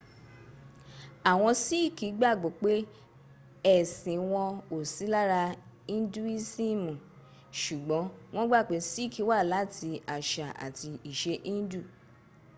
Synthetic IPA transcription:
a˨w̃ɔ̃˧si˦i˦˨ki˨˦ɡ͡ba˦˨ɡ͡bo˨˦k͡pe˦ | ɛ˦˨sĩ˨w̃ɔ̃˧o˨si˨˦la˦ɾa˧ĩ˦n˦du˦i˦si˦˨mũ˨ | ʃu˨ɡ͡bɔ̃˨˦w̃ɔ̃˦ɡ͡ba˦˨k͡pe˨˦si˦˨kʰi˨˦wa˦˨la˨˦˨tʰi˧a˨ʃa̰˨a̰˨ti˧i˨ʃe˧ʔĩ˦n̩˦du˦˨

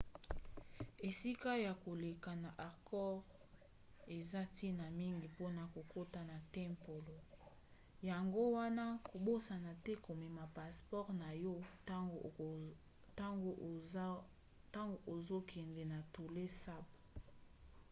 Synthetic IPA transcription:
e˨si˦ka˦ja˨ko˨le˨ka˨na˨ʔa˨kɔ˦ʁ | e˨za˦ti˦na˨mi˦ŋɡi˨po˦na˨ko˨ko˦ta˨na˨tɛ˦mpo˨lo˨ | ja˨ŋɡo˦wa˦na˦ko˨bo˦sa˨na˨tɛ˦ko˨mɛ˨ma˨pa˨spɔ˦ʁna˨jɔ˦˨ | ta˦ŋɡo˦ | ta˦ŋɡo˨ʔo˨zo˦kʰɛ˨ndɛ˨na˨tu˨le˦sa˦b

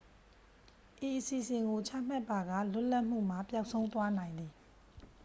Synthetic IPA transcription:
ʔi˨ʔəsi˨sɪ̃˨ŋɡo˨t͡ɕʰa̰˦˨m̥a˦˨pːa˨ɡa̰˦˨lʊ˦ʔla˦ʔm̥ṵ˦˨m̥a˨pja˦ʊʔsʰõ˦ʊ̃nt̪wa˦nã˨ɪ̃nd̪ði˨

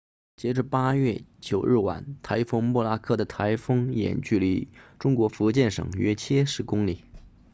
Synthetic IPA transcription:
t͡ɕjɛ˧˥ʈ͡ʂ̩˧pa˥ɥɛ˥˩t͡ɕjo˨˩ʊɻɻ̩˥˩wa̰˨˩˦nt̪ʰa˧˥ɪfɤ˥ŋmwɔ˥˩la˥kʰɤ˥˩d̪ə˩t̪ʰa˧˥ɪfɤ˥ŋjɛ̰˨˩nt͡ɕy˥˩li˧˥ʈ͡ʂʊ˥ŋkwɔ˧˥fu˧˥˧t͡ɕjɛ˥˩nʂɤ̰˨˩ŋɥɛ̰˥t͡ɕʰjɛ˥ʂɻ̩˥˩kʊ˥ŋli˨˩˦

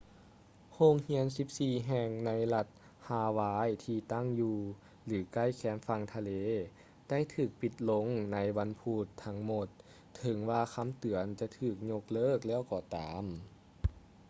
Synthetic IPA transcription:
hoː˧˨ŋhi˧˥ənsi˧˦p̚siː˧˩ɦɛː˧˩ŋna˧˥jla˧˩t̪̚ | haː˧˩waː˧˥jt̪ʰiː˧t̪a˥˩ŋjuː˧˩ | lɯː˩˦ka˥˨jkʰɛː˨˦mfa˧ŋt̪ʰa˧leː˧˦ | da˥˨jt̪ʰɯː˧˩k̚pi˧˩t̪̚lo˧˥ŋna˧˥jwa˧˥npʰuː˧˩t̪ʰːa˧˥ŋmo˧˩t̪ʰː | ɤ˨˦ŋwaː˧kʰa˧˥˨mt̪ɯ˨˩˦ənt͡ɕa˧˦t̪ʰɯː˧˩k̚ɲo˧k̚lɤː˧˥˨k̚lɛː˧˥˨wkɔː˧˩t̪aː˨˦m

